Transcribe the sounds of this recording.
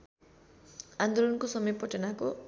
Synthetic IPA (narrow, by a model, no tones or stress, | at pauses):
and̪olʌnkosʌmʌjpʌʈʌnako